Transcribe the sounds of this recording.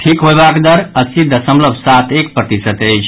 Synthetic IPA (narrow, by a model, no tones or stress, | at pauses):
ʈʰikɦojbakd̪əɾəsid̪ʱəsə̃mləbʱsat̪ʰek̚pɾət̪isət̪əjt͡ʃʰ